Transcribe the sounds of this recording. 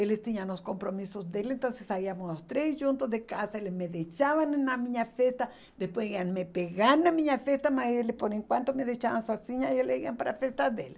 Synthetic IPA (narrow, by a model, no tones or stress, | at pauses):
elest̪iɲanloskompɾomisozd̪elent̪onsesaiamoslost̪ɾesd͡ʒunt̪osðekasaelesmeðet͡ʃaβannamiɲafest̪a | d̪espweianmepeɣanamĩɲafest̪amaelepoɾeŋkwant̪omeðet͡ʃaβansosiɲaieleiampaɾa̰fest̪ad̪ele